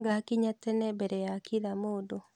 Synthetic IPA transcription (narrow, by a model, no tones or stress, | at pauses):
ɡakiɲatɛnɛbɛɾɛjakiðamoːdo